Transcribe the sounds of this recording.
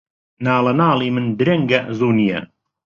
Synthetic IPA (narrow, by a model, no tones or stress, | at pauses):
naːlˠɐnaːlˠiːmɨnd̪ɾɐŋɡɐzuːnijɐ̰